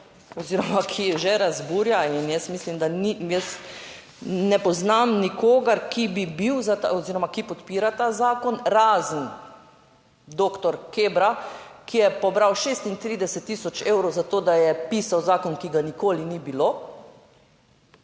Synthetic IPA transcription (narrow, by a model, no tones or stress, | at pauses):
ɔziːɾɔmakʰijɛʒɛɾazbuːɾjainjɛst̪mislimd̪anijɛs | nɛpɔznamnikoːɡaɾkibibiwzat̪aɔziːɾɔmakipɔt̪piːɾat̪aːzaːkɔnɾaːzən | d̪oːkt̪ɔɾkeːbɾakijɛpɔbɾawʃest̪int̪ɾiːd̪ɛsɛt̪ːisɔt͡ʃeːwɾɔwzat̪oːd̪ajɛpiːsawzaːkɔnkiɡanikoːlinibilo